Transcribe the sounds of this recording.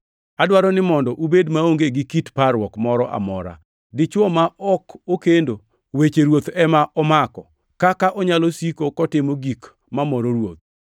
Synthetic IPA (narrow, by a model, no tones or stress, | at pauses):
adwaɾɔnɪmɔndɔʔubedmaoŋɡeɡɪkitpaɾwɔkmɔɾɔʔa̰mɔ̰ɾa̰ | dɪt͡ʃwɔmaʔɔkokendo | wet͡ʃeɾwot̪ɛmaʔɔmakɔ | kakaʔɔɲalosikokɔtɪmoɡik | mamɔɾoɾwo̰t̪̚